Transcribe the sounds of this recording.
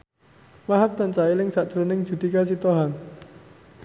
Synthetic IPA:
waɦap̚t̪ant͡ʃailɪŋsaʔt͡ʃɾonɪŋd̥d͡ʒ̥ṳd̪ikas̬it̪oɦan

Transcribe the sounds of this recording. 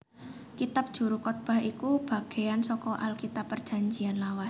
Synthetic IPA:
kit̪ap̚d̥ʒ̥ṳɾukɔt̪̚b̥a̤hikub̥a̤ɡ̥e̤ansɔkɔʔa̰lkit̪apːərdd͡ʒ̥a̤ɲd͡ʒianlawas

